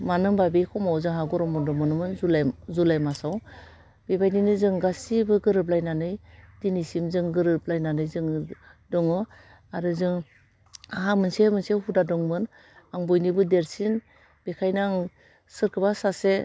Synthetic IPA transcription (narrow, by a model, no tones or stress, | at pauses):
manɯmbabejkʰɔmawzɯŋɦaɡɔɾɔmɔdɔmɔnɯmɯnzulazulajmasaw | b̥ibajninɯzɯŋɡasibɯɡɯɾɯp̬̚lajnanɯjdinisimzɯŋɡɯɾɯp̚lajnanɯjzɯŋdɔŋɯ | aɾɯzɯŋ | aɦamɯnsemɯnseɦudadɔŋmɯn | aŋbɔjnibɯdeɾsin | b̥ekʰajnaŋ | sɯɾkʰɯbasase